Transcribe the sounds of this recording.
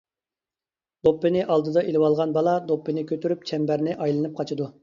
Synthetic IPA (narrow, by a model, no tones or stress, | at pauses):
d̪̥opːɨnɪʔɑlˠd̪ɨd̪ɑʔelɪwɑlˠʁɑnbɑlˠɑd̪opːɨnɪkʲʰøt̪yɾyp̚t͡ʃʰɛmbæɾnɪʔɑjlˠɨnɨp̚qʰɑt͡ʃʰɨd̪u